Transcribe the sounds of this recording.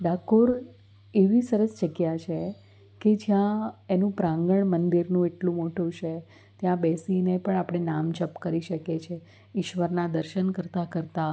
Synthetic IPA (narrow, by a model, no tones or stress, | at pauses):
ɖakoɾ | eʋisəɾəsd͡ʒəɡjat͡ʃʰe | ked͡ʒjãenũpɾãŋɡəɳmənd̪iɾnũeʈlũmoʈũt͡ʃʰe | t̪jãbɛsinepəɳ̃apɽ̃enamd͡ʒəpkəɾiʃəket͡ʃʰe | ɪʃʋəɾnad̪əɾʃənkəɾt̪akəɾt̪a